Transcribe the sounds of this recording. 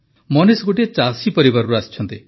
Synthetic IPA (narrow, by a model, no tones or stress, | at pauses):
mɔnisɡoʈiet͡ʃasipɔɾibaɾuɾast͡ʃʰɔnt̪i